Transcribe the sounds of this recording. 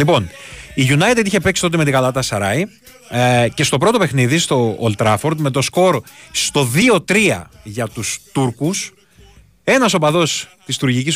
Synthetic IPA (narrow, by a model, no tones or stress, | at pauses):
lipo̞niʝunɐjt̪ed̪içepe̞ksit̪o̞t̪emet̪ikɐlɐt̪ɐsɐɾɐi | ce̞st̪o̞pɾo̞t̪ope̞xniðist̪o̞ːlt̪ɾɐfo̞ɾd̪me̞t̪̬o̞sko̞ɾst̪o̞ðio̞t̪ɾiɐ̰ʝɐt̪ust̪uɾkus | e̞nɐso̞pɐðo̞st̪ist̪uɾʝicis